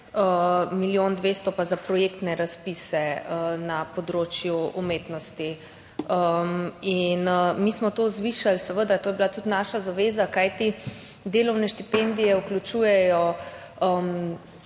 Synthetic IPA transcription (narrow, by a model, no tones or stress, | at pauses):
əmiljond̪ʋest̪ɔpazapɾɔjekt̪nɛɾaspisɛənapɔd̪ɾoːt͡ʃjuumeːt̪nɔst̪i | əminmismɔt̪ozʋiʃalsɛʋəd̪at̪oːjɛbilat̪ut̪naʃazaʋeːzakajt̪i | d̪eːlɔwnɛʃt̪ipend̪ijɛuklʲut͡ʃuːjɛjɔ | əm